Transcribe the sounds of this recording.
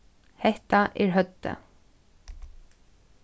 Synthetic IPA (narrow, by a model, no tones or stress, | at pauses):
hɛht̪aʔɛɹɦœt̪ːa̰